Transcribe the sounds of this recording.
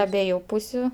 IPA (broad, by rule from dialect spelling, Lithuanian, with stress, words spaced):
ɐˈbʲiɛjʊ ˈpuːsʲʊ